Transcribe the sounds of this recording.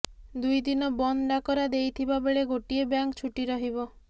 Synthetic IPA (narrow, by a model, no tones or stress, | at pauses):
d̪ujd̪inɔbɔnɖakɔɾad̪ejt̪ʰibabeɭeɡoʈiebjaŋkt͡ʃʰuʈiɾɔɦibɔ